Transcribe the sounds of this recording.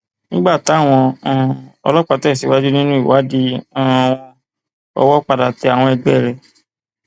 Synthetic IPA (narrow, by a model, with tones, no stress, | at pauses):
nĩ˦ɡ͡ba˦˨ta˨˦˨w̃ɔ̃˧ã˦˨ɔ̰˧lɔ˦k͡pa˧˨tɛ˦˨si˨wa˨˦di˦nĩ˦nũ˦i˦˨wa˨˦di˦ã˦˧w̃ɔ̃˧ | ɔ̰˧wɔ˦k͡pa˧da˨ti˧˦a˨w̃ɔ̃˧ɛ˧ɡ͡bɛ˦˨ɾɛ˨